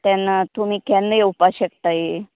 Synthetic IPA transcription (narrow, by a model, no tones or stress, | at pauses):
t̪janat̪um̤iːkɛnːəjeupaɕəkt̪aje